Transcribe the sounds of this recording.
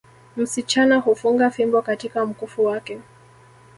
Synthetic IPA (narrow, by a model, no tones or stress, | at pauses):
m̩sit͡ʃanahufuŋɡafimbɔkatikam̩kufuwakɛ